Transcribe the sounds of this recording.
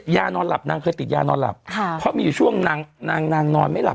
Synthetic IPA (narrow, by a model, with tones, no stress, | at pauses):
jaː˧nɔː˧nla˨˩p̚naː˧ŋkʰɤː˧jt̪i˨˩t̪̚jaː˧nɔː˧nla̰˨˩p̚kʰpʰːɔ˦˥miː˧juː˨˩t͡ɕʰu˥˩əŋna˧ŋnaː˧ŋnaː˧ŋnɔː˧nma˥˩jla˨˩p